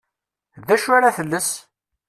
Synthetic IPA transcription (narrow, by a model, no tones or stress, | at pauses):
ðæʃaɾaθəlːəs